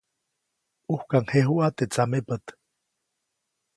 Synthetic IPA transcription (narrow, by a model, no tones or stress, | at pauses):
uhkaŋheɦuʔat̪et͡samepət̪